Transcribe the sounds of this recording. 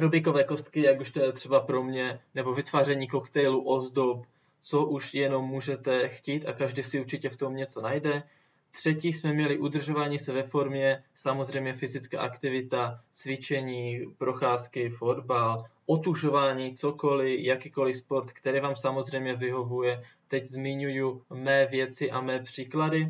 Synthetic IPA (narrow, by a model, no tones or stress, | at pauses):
ɾobɪkovɛːko̞st̪kɪjakuʃt̪ojɛt̪r̥ɛbapɾo̞mɲɛnɛbo̞vɪt̪vaːrɛɲiːko̞kt̪ɛjluʔo̞zdop | t͡so̞ʔuʃjɛno̞mːuːʒɛt̪ɛxciːt̪akaʒdiːsɪuɾt͡ʃɪcɛft̪o̞mɲɛt͡so̞najdɛ | t̪r̝̥ɛciːsmɛmɲɛlɪʔud̪r̩ʒo̞vaːɲiːsɛvɛfo̞ɾmɲɛsamo̞zr̝ɛjmɲɛfɪzɪt͡ska̰ːʔakt̪ɪvɪt̪at͡svɪt͡ʃɛɲiːpɾo̞xaːskɪfo̞dbalʔo̞t̪uʒo̞vaːɲiːt͡so̞ko̞lɪjakiːko̞lɪspoɾt̪kt̪ɛɾiːvaːmsamo̞zrɛjmɲɛvɪɦo̞vujɛt̪ɛczmɪɲujumɛːvjɛt͡sɪʔamɛːpr̝̥iːkladɪ